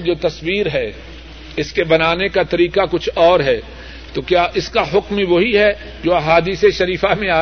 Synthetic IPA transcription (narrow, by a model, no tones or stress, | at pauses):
d͡ʒoːt̪ɐswiːɾɦɛ | ɪskebɐnaːnekat̪ɐɾiːkakʊt͡ʃʰɔːɾɦɛː | t̪okjaːʔɪskaɦʊkmiʋoɦiɦɛ | d͡ʒoːaɦaːd̪iːseʃɐɾiːfamẽaː